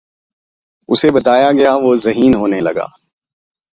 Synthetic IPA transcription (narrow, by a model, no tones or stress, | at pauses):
ʊsebɐt̪aːjaɡɐjaʋoːzɐɦiːnɦoːnelɐɡa̰ː